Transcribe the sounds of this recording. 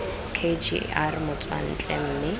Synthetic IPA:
kʰed͡ʒḭarmʊt͡sʼwa̰n̩t͡ɬʼɛm̩ːnɪ

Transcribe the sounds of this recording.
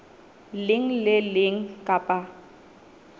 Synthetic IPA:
lɪŋ̩lɪlɪŋ̩kʼapʼa

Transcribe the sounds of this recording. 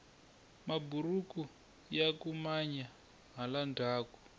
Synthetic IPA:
maburuku | jakumaɲa | ɦalandʱaːku̥

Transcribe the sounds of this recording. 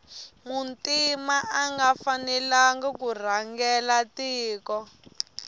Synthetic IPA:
muntimaʔaŋɡafanɛlaŋɡakur̤aŋɡɛlatiːkɔ

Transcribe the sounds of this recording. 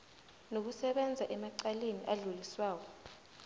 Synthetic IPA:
nok̬usɛɓɛnd͡zʱaʔɛmaǀaleniʔaɮuliswaːk̬ɔ

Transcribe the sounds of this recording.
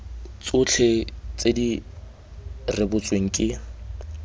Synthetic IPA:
t͡sʼʊt͡ɬʰet͡sedi | rɪbʊt͡sʼweŋ̩kʼɪ

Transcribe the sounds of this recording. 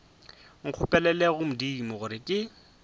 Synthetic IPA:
ŋ̩q͡χʰʊpʼɛlɛlɛɣʊmʊdimʊɣʊɾɪkʼɪ

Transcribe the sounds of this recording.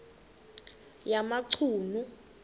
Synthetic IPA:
jamaǀʰuːnu

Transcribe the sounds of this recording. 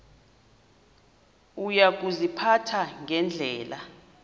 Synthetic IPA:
ujak̬uzipʰatʰaŋʱɛnd͡ɮʱɛːla

